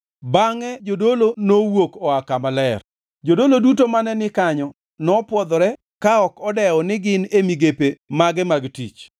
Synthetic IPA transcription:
baŋɛd͡ʒodolonowokɔakamalɛr | d͡ʒodolodutomanɛnɪkaɲɔ | nɔpwɔd̪ɔɾɛ | kaɔkɔdɛɔnɪɡɪnemiɡepemaɡɛmaɡtḭt͡ʃ

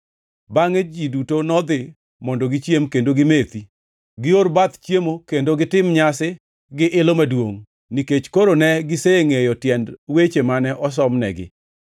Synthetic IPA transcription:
baŋed͡ʒidutonɔd̪ɪ | mɔndɔɡɪt͡ʃjemkendoɡɪmet̪i | ɡɪoɾbat̪t͡ʃjemokendoɡɪtɪmɲasɪ | ɡɪʔɪlomadwoŋ | niket͡ʃkoɾonɛɡɪseŋejɔtjɛndwet͡ʃemanɛʔɔs̬ɔmnɛ̰ɡɪ̰

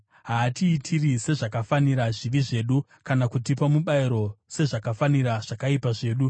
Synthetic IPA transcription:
ɦaːtiːtʰirise̞ʐakafaniɾaʐiʋiʐe̞ːɗu | kanakutipamuɓaiɾo̞se̞ʐakafaniɾaʐ̥akaipaʐe̞ːɗu

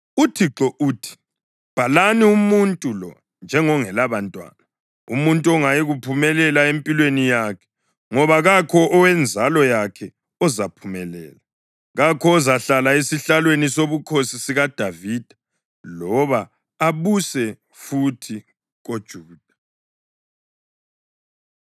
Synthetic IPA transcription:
utʰiǁɔʔuːtʰi̥ | b̥ʱalaniumuntʼulɔ̰ | nd͡ʒʱɛŋɔŋɛlaβantʼwa̰ːna | ṵmuntʼuɔŋajɛɣupʰumɛlɛlaempʼilwenijakʰɛ̥ | ŋɔβaɣakʰɔʔɔwɛnd͡zʱalɔjakʰɛ | ɔzapʰumɛlɛ̰ːla | ɣakʰɔːzaɬalaesiɬalwenisoβukʰosisiɣad̥ʱavid̥ʱa | lɔβa | aβusɛ | futʰi | ɣod̥ʒ̥ʱuːd̥ʱḁ

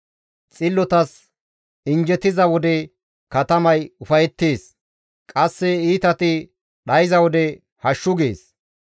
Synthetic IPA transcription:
t͡sʼɪlːɔt̪ɐs | ɪnd͡ʒɛt̪ɪzɐwɔd̪ɛ | kɐt̪ɐmɐjʊfɐjɛt̪ːeːs | kʼɐsːɛiːt̪ɐt̪ɪ | ɗɐjɪzɐwɔd̪ɛ | hɐʃːʊɡeːs

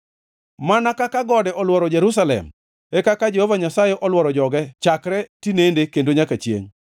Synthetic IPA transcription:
manakakaɡɔdɛʔɔlwɔɾɔd͡ʒeɾus̬alɛ̰m | ɛkakad͡ʒehovaɲasajɛʔɔlwɔɾɔd͡ʒɔɡɛt͡ʃakɾɛtinendekendoɲakat͡ʃjḛŋ

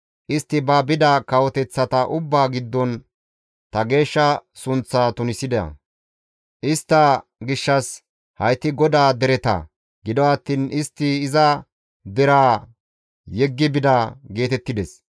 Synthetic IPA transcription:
ʔɪst̪ːɪbɐbɪd̪ɐkɐwɔt̪ɛt͡sːɐt̪ɐʔʊbːaːɡɪd̪ːɔn | t̪ɐɡe̞ːʃːɐsʊnt͡sːat̪ʊnɪsɪd̪ɛɐ̰ | ʔɪst̪ːɐɡɪʃːɐs | hɐjt̪ːɪɡɔd̪aːd̪ɛɾɛt̪ɐ̰ | ɡɪd̪ɔɐt̪ːiːnɪst̪ːɪːzɐ | d̪ɛɾaː | jɛɡːɪbɪd̪aɡe̞ːt̪ɛt̪ːɪd̪ɛs

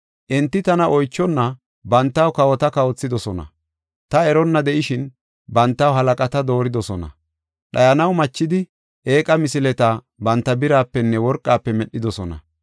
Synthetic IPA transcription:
ʔɛnt̪ːɪt̪ɐnɐʔɔjt͡ʃːɔnːɐ | bɐnt̪ːɐwkɐwɔt̪ɐkɐwɔt͡sːɪd̪ɔsɔnɐ̰ | t̪ɐɛɾɔnːɐd̪ɛʔɪʃɪn | bɐnt̪ːɐwɦɐlɐkʼɐt̪ɐd̪o̞ːɾɪd̪ɔsɔnɐ̰ | ɗɐjɐnɐwmɐt͡ʃːɪd̪ɪ | ʔe̞ːkʼɐmɪsɪlɛt̪a | bɐnt̪ːɐbɪɾaːpːɛnːɛwɔɾkʼːaːpːɛmɛɗːɪd̪ɔsɔnɐ̰

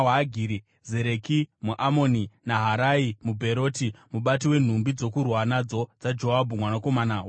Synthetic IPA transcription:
aɡʱiɾi | ze̞ɾe̞kimuʔamo̞ninaɦaɾaimubʱe̞ɾo̞ːtimuɓat̬iwe̞n̤umbid͡zo̞kurwanad͡zo̞d͡zad͡ʒoɦabʱumwanako̞manaw

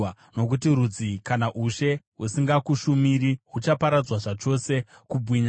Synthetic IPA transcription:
no̞k̬utiɾud͡zikanaʔuʃe̞ | usiŋɡakuʃumiɾiɦut͡ʃapaɾad͡zwaʐat͡ʃo̞se̞ | kubʱwiɲa

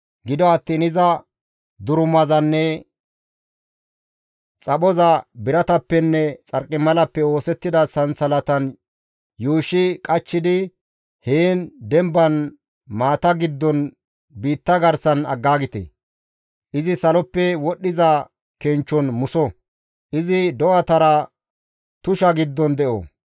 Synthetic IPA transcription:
ɡɪd̪ɔɐt̪ːiːnɪzɐ | d̪ʊɾʊmɐzɐnːɛ | t͡sʼɐɓɔzɐbɪɾɐt̪ɐpːɛnːɛt͡sʼɐɾkʼːɪmɐlɐpːɛo̞ːsɛt̪ːɪd̪ɐsɐnsɐlɐt̪ɐn | juːʃɪkʼɐt͡ʃːɪd̪ɪ | heːnd̪ɛmbɐn | maːt̪ɐɡɪd̪ːɔn | biːt̪ːɐɡɐɾsɐnɐ̰ɡːaːɡɪt̪ḛ | ʔɪzɪsɐlɔpːɛwɔɗːɪzɐ | kɛnt͡ʃːɔnmʊsɔ | ʔɪzɪd̪ɔwɐt̪ɐɾɐ | t̪ʊʃɐɡɪd̪ːɔnd̪ɛʔo̰

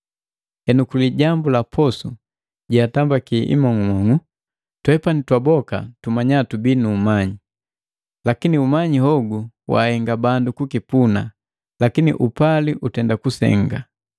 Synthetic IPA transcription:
hɛnukuliɟambulapʰɔsṵ | ɟatambakiʔḭmɔŋumɔŋu | twɛpanitwabɔka̰tumaɲatubinuːmaɲi | lakiniumaɲihɔɡuwa̰hɛŋɡabandukukipuna | lakinḭʔupaliʔutɛndakusɛ̰ŋɡa

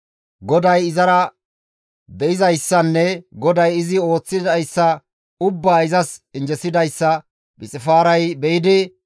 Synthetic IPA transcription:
ɡɔd̪ɐjɪzɐɾɐ | bɛɪzɐjsːɐnːɛɡɔd̪ɐjɪzɪo̞ːt͡sːɪd̪ɐjsːɐ | ʊbːaːɪzɐsɪnd͡ʒɛsɪd̪ɐjsːɐ | bɪt͡sʼɪfaːɾɐjbɛjɪd̪ɪ

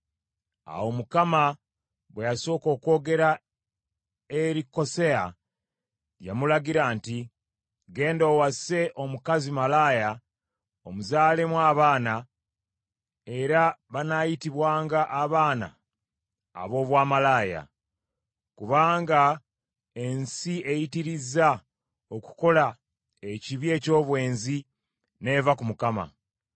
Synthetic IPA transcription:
a̰wo̞mukama | βwe̞jaso̞ːko̞ːko̞ːɡe̞ɾa | eɾiko̞se̞a̰ | ja̰mulaɡiɾaːnti | ɡe̞ːndoːwasse̞ʔo̞mukazimalaːja | omuzaːle̞mwaːβaːna | e̞ɾaβanaːjitiβwaːŋɡaʔːβaːna̰ː | βo̞ːβwaːmalaːja̰ | kuβaːŋɡa | e̞nsie̞jitiɾiza | oku̥ko̞la | eciβje̞ːco̞ːβwe̞ːnzi | ne̞vakumukama̰

